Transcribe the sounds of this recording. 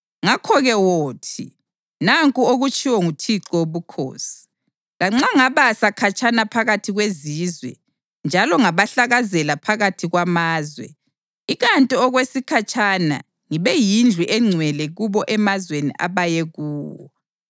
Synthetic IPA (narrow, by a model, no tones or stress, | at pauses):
ŋakʰɔɣɛwoːtʰi | naŋkʼuoɣut͡ʃʼiwɔŋutʰiǁɔoβukʰo̰ːsi̥ | laŋ͡ǁaŋaβasakʰat͡ʃʼanapʰaɣatʰiɣweziːzwɛ̰ | nd͡ʒʱalɔŋaβaɬaɣazɛlapʰaɣatʰiɣwamaːzwɛ̰ | iɣantʼiɔɣwesikʰat͡ʃʼʰana̰ | ŋiβɛjind͡ɮʱwiʔɛŋ͡ǀʱwɛlɛɣuβɔʔɛmazwenḭʔa̰βajɛɣuːwɔ̰